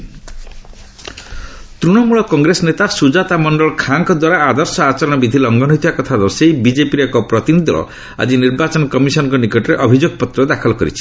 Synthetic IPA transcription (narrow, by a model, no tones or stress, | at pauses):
t̪ɾuɽ̃ɔmuɭɔkɔŋɡɾesɔnet̪asud͡ʒat̪amɔɳɖɔɭɔkʰaŋkɔd̪waɾaad̪ɔɾsɔat͡ʃɔɾɔɽ̃ɔbid̪ʱilɔŋɡɔnɔɦit̪ʰibakɔt̪ʰad̪ɔseibid͡ʒepiɾekɔpɾɔt̪inid̪ʱɔɾɔ̰ | a̰d͡ʒiniɾbat͡ʃɔnɔkɔmisɔnɔ̃ŋkɔnikɔʈɔɾeʔɔbʱid͡ʒoɡɔpɔt̪ːɾɔd̪akʰɔlɔkɔɾḭt͡ʃʰi̥